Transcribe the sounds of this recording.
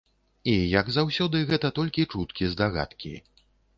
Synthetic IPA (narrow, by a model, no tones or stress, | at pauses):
ijɐɡzawsʲɔd̪ɨɣɛt̪ɐt̪ɔlʲkʲit͡ʂut̪kʲizd̪aɣa̰t̪kʲḭ